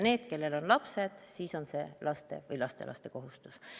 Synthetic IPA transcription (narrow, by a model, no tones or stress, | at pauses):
ne̞ːd̪̥ke̞lːe̞lo̞nlɑpse̞d̪̥siːso̞nse̞̰ːlʔɑst̪e̞̰vɤjlɑst̪e̞̰lɑ̰st̪e̞ko̞ɦust̪u̥s